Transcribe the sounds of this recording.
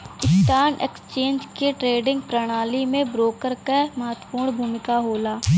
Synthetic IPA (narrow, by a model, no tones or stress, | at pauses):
ɪst̪aːnḛːksət͡ʃẽːnd͡ʒkeʈɾeːɖɪ̃ŋɡ̚pɾəɽ̃aːlimẽbɾoːkəɾkemɐɦət̪ə̥puːɾɽ̃bʱuːmɪkaɦoːlaː